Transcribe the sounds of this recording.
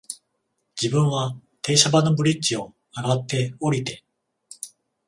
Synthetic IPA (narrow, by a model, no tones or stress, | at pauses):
d͡ʑibɯ̟̃ɰ̃βat̪ʰe̞ːɕabano̞bɯ̟ɾʲit͡ɕio̞ | aɡat̪ːe̞o̞ɾʲit̪e̞